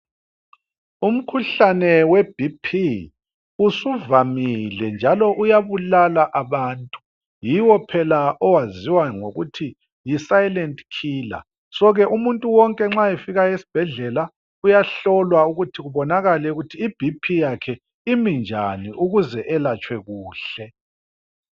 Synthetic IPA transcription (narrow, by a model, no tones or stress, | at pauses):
um̩kʰuɬanɛwɛb̥ʱipʰi | usuvamilɛnd͡ʒʱalɔʔujaβulalaʔaβaːntʼu̥ | jiwɔpʰɛlaʔɔwaziwaŋo̰ɣutʰi | jisajlɛntʼkʰiːla̰ | sɔɣɛʔumuntʼuwɔŋkʼɛŋ͡ǁaɛfiɣaesi̥b̥ʱɛɮɛla | ujaɬɔlwauɣutʰiɣuβɔnaɣalɛuɣutʰiːb̥ʱipʰijakʰɛ | imind͡ʒʱaniʔuɣuzɛʔɛlat͡ʃʼwɛɣuːɬɛ